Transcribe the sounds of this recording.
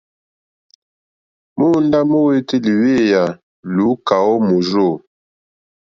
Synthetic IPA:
mu˦n˦da˦mo˦we˦ti˦li˨we˦ja˨ | lu˨˦ka˨wɔ˦mo˨zo˦˨

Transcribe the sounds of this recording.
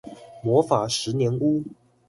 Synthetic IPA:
mwɔ˧˥fa˨˩ʂɻ̩˧˥njɛ˧˥nu˥

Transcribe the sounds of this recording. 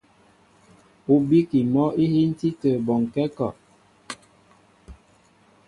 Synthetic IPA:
u˨˦bi˦ki˨mɔ˦i˦hi˦n̩˦ti˦tə˨bɔ˨ŋ˨kɛ˦kɔ˨ʔ

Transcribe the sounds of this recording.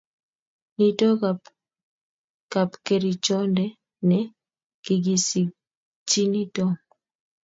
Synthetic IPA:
ni˦to˦ka | ka˨pke˨ɾi˨t͡ʃɔ˦ndɛ˦ | nɛ | ki˨ɡi˨si˨ | t͡ʃi˦ni˦tɔ˦ŋ

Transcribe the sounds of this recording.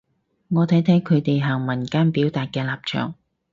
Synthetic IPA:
ŋɔː˨˧t̪ʰɐ˨˥jt̪ʰɛ˨˥ŋkʰɵ˨˧ɥt̪e˨jɦaː˨˩ŋmɐ˨˩nkaː˥npiː˨˥wt̪aː˨t̚kɛː˧laː˨p̚t͡ʃʰœ̰ː˨˩ŋ

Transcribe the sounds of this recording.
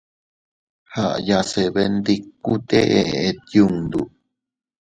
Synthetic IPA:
ha˧˨ʔja˧se˧βe˧nd̪i˧ku˦t̪e˦ʔe˧ʔee˨t̪ju˧ŋd̪u˨

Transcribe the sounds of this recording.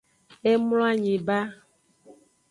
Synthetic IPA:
e˦mlɔ̃˦a˦ɲẽ˨ba˦

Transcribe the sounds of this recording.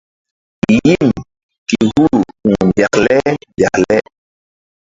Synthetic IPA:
i˨ji˦m | ki˨hu˦˨u˨mbja˨klɛ˦bja̰˨klɛ˦

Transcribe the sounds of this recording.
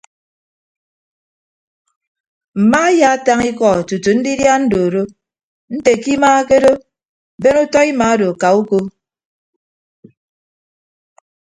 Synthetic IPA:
m̩˨ma˦ja˦a˦ta˦ŋi˦kɔ˨tu˨tu˨n̩˦di˦dja˦n̩˦do˨ɾo˦ | n̩˦te˨ki˦maː˦ke˦do˦˨ | be˦nu˦tɔ˦i˦ma˨a˦do˨ka˨u˦ko˦

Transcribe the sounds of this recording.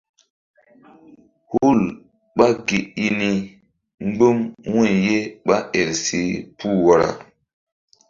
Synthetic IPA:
hu˦˨l | ɓa˦ɡe˨i˦ni˦ | ŋ͡mɡ͡bə˦mwu˦˨je˦ɓa˦ʔe˨lsi˦pʰu˦wa˨ɾa̰˨

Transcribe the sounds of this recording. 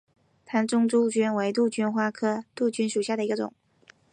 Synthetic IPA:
t̪ʰa˧˥nʈ͡ʂʊ˥ŋʈ͡ʂu˥t͡ɕy˥nwe˧˥ɪt̪u˥˩t͡ɕy˥nxwa˥kʰɤ˥t̪u˥˩t͡ɕy˥nʂu˨˩ɕja˥˩d̪ə˩i˧˥ɡə˧ʈ͡ʂʊ̰˨˩˦ŋ

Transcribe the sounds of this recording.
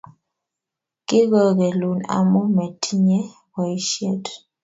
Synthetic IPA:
ki˦ɣɔ˨ɣɛ˨lu˨na̰˨mɔ˦mɛ˨tʰi˦ɲɛ˦ | wa˨i˦ʃjɛ˦t

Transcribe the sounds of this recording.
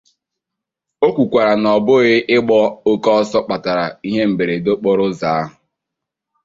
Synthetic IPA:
o˦kʷu˨kʷa˨ɾa˨nɔ˨bʊ˦ɣɪ˦ʔɪ˦ɡ͡bɔ˦o˦kɔ˦ɔ˦sɔ˦k͡pa˨ta˨ɾa̰˨i˦ɦe˦m̩˨be˨ɾe˨do˦k͡pɔ˨ɾʊ˦za˨˦a˦ɦʊ˨

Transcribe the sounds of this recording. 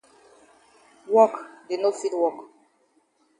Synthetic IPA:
wɔ˦kde˨no˦fi˦dwɔ˦k

